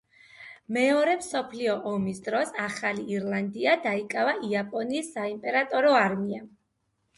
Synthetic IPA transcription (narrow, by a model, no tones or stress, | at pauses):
mɛɔɾɛmsɔpʰliɔʔɔmisd̪ɾɔsaχaliːɾlˠand̪iad̪aikʼavaʔiapʼɔniːsːaimpʼɛɾat̪ʼɔɾɔaɾmia